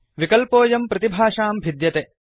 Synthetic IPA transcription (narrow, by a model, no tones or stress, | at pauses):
ʋikɐlpoːjɐmpɾɐt̪ibʱaːʂaːmbʱid̪jɐt̪e